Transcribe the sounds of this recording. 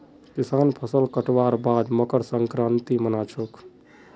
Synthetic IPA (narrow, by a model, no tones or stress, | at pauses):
kisaːnpʰəsəlkəʈʋaɾbad̪məkəɾsəŋkɾãnt̪imənat͡ʃʰok